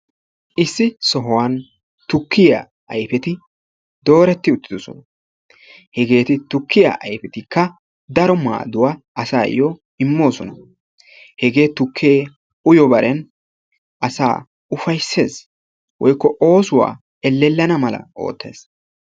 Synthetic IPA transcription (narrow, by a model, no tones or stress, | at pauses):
ʔɪsːɪsɔɦɔwɐn | t̪ʊkʰːɪja̰ | ɐjfɛt̪ɪ | d̪o̞ːɾɛt̪ːɪʊt̪ːɪd̪ɔsɔ̰nɐ | hɛɡe̞ːt̪ɪt̪ʊkʰːɪja̰ʔɐjfɛt̪ɪkːɐ | d̪ɐɾɔma̰ːd̪ʊwaʔɐsa̰ːjɔ | ɪmːo̞ːsɔnɐ | hɛɡe̞ːt̪ʊkʰːeː | ʊjɔbɐɾʔɛn | ʔɐsa̰ː | ʊfɐjsːe̞ːs | wɔjkːɔʔo̞ːsʊwa̰ː | ɛlːɛlːɐnɐmɐlɐ̰ʔo̞̰ːt̪ːe̞̰ːs